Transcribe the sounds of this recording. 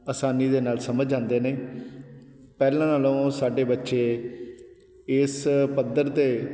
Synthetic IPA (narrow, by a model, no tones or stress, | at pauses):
əsaːniːd̪eːnaːlsəməd͡ʒãːnd̪eːneː | pɛːlãːnaːlõːsaːɖeːbətːʃeː | ɪspəd̪əɾt̪eː